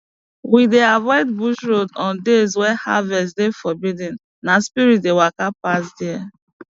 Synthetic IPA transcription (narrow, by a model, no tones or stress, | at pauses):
wideavɔɪd̚buʃɹodɔ̃ndezwɛha̰vɛstdefɔbidĩn | naspiɹit̚dewakapasdɛa